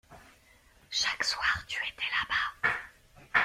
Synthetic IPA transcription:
ʃakswaʁt̪y̥et̪ʰɛlaba

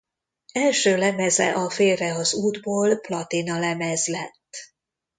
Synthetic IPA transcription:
ɛlʃøːlɛmɛzɛ̰ʔɒfeːrɛɒzuːd̪boːlplɒt̪inɒlɛmɛzlɛt̪ː

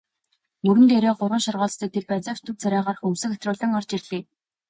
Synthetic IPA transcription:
mɵɾɵ̆nt̪eɾeːɢʊrʁə̆nʃɔrʁʊːɮst̪ə̆k̚t̪ʰeɮpæt͡saːwt͡ɕt̪ʰɵ̆wt͡sæɾʲaːʁaːr̆χɵmsɘ̆xæt̪rʊːɮə̆ŋɔrt͡ɕirɮiː

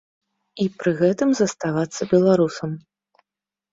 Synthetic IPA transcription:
ipɾɨɣɛt̪ɨmzɐst̪avat̪sːɐbʲɛlˠaɾusɐm

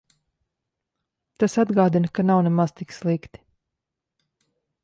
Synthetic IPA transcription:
t̪asad̪ɡaːd̪inkanawnɛmaz̥t̪ikslˠikt̪i̥

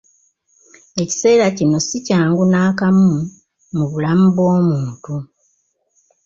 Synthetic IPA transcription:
e̞ci̥se̞ːɾacino̞sicaːŋɡunaːkamu | muβulamuβo̞ːmuːntu

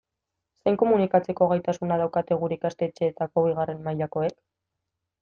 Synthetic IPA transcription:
sejŋko̞munikat͡se̞ko̞ɣajt̪asunaðawkat̪e̞ɣ̞uɾikast̪e̞t͡ʃe̞ːt̪ako̞βiɣ̞are̞nmaʎako̞e̞k

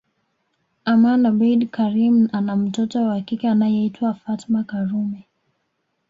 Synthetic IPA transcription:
amanabidkaɾimanam̩tɔtɔwaakikianajɛitwafatmakaɾumɛ

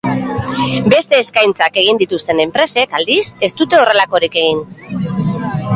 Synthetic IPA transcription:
be̞st̪e̞ːskajnt͡sake̞ɣ̞ind̪it̪ust̪e̞ne̞mpɾe̞se̞kald̪ise̞st̪ut̪e̞o̞re̞lako̞ɾike̞ɣin

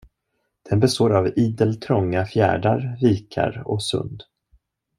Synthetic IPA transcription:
d̪̥ɛnbɛst̪oːɾaviːd̪əlt̪ʰɾɔŋːafjæ̰ːɖaɾɾiːkʰa̰ɾɔ̰sɵ̰nd̪

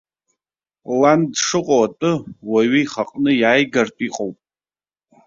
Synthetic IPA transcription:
landʂɨqʼoatʼɨwaɥijχaqʼnɨjaːjɡartʼiqʼowpʼ

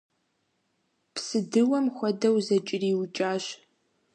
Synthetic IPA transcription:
psɨdɨwɐmxʷɔdɐwzɐt͡ʃʼɪriːwt͡ʃʼaːɕ

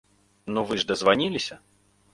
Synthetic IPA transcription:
nuvɨʐd̪ɐzvanʲilʲisʲɐ

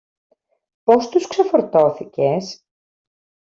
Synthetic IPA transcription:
po̞st̪uskse̞foɾt̪o̞θice̞s

